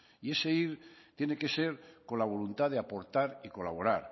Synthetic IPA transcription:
ie̞se̞iɾt̪je̞ne̞ke̞se̞ɾko̞nlaβ̞o̞lunt̪aðeapo̞ɾt̪aɾiko̞laβ̞o̞ɾaɾ

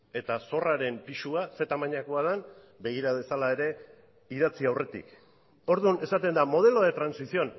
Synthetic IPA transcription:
e̞t̪aso̞raɾe̞mpiʃuase̞t̪amaɲakoað̞an | be̞ɣ̞iɾaβe̞salae̞ɾe̞ | iðat͡siawre̞t̪ḭk | o̞ɾðune̞sat̪e̞nd̪amo̞ð̞e̞lo̞ðet̪ɾansisio̞n

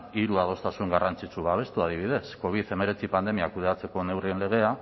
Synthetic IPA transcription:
iɾuað̞o̞st̪asuŋɡarant͡sit͡suβaβ̞e̞st̪uað̞iβ̞iðe̞sko̞β̞iθe̞me̞ɾe̞t͡sipand̪e̞miakuð̞e̞at͡se̞ko̞ne̞wrie̞nle̞ɣ̞e̞a

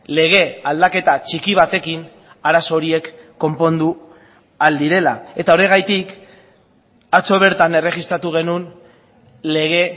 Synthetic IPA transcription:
le̞ɣ̞e̞ald̪ake̞t̪at͡ʃikiβ̞at̪e̞kin | aɾaso̞ɾie̞kː | o̞mpo̞nd̪u | ald̪iɾe̞lae̞t̪ao̞ɾe̞ɣ̞ajt̪ik | at͡so̞β̞e̞ɾt̪ane̞re̞ɣist̪ɾat̪uɣ̞e̞nun | le̞ɣ̞e̞

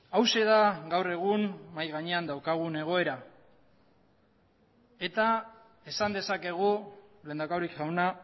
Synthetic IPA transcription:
awse̞ðaɣawre̞ɣ̞unmajɣaɲe̞and̪awkaɣ̞une̞ɣ̞o̞e̞ɾa | e̞t̪a | e̞sand̪e̞sake̞ɣ̞ule̞ːnd̪akawɾikʝawna

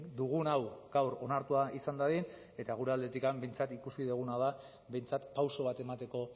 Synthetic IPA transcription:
d̪uɣ̞unawɡawɾo̞naɾt̪uaʔisand̪aðin | e̞t̪aɣ̞uɾe̞ald̪e̞t̪ikambe̞jnt͡sat̪ikusiðuɣ̞unaða | be̞jnt͡sat̪pawso̞β̞at̪e̞mat̪e̞ko̞

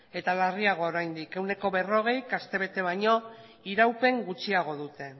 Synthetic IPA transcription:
e̞t̪alariaɣ̞o̞ːɾajnd̪ike̞wne̞ko̞βe̞ro̞ɣ̞e̞jkast̪e̞βe̞t̪e̞βaɲo̞ | iɾawpe̞ŋɡut͡ʃiaɣ̞o̞ðut̪e̞

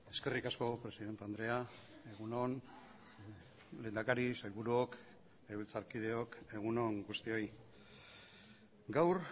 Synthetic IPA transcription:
e̞ske̞rikasko̞pɾe̞siðe̞nt̪and̪ɾe̞ae̞ɣuno̞n | le̞ːnd̪akaɾisajlβuɾuok | eβilt͡saɾkið̞e̞oke̞ɣ̞uno̞ŋɡust̪io̞j | ɡawɾ

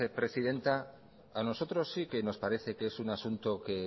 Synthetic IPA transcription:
epɾe̞siðe̞nt̪a | ano̞so̞t̪ɾo̞sːike̞no̞spaɾe̞θe̞keesunasunt̪o̞ke̞

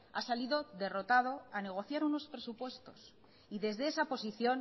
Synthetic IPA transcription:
asaliðo̞ðe̞ro̞t̪að̞o̞ane̞ɣ̞o̞θjaɾuno̞spɾe̞supwe̞st̪o̞s | iðe̞zðeesapo̞siθjo̞n

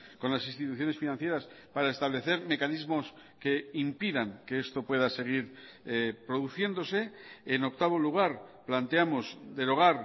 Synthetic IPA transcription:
ko̞nlasĩnst̪it̪uθjo̞ne̞sfinãn̟θje̞ɾas | paɾaest̪aβle̞θe̞ɾme̞kanizmo̞s | ke̞impiðaŋkeest̪o̞pwe̞ðase̞ɣ̞iɾ | epɾo̞ðuθje̞nd̪o̞se̞eno̞k̚t̪aβ̞o̞luɣ̞aɾplant̪eamo̞zd̪e̞ɾo̞ɣ̞aɾ

